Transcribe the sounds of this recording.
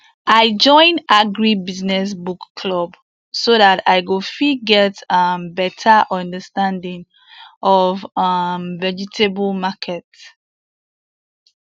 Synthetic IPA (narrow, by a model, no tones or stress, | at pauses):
ʔaɪd͡ʒɔ̃ɪ̃naɡɹibiznɛs̬bukːʰlɔb | soðataɪɡofiɡɛtambɛtʰəʔɔ̃ndəstãndĩŋ | ʔɔvamvɛd͡ʒitʰeblmakʰɛts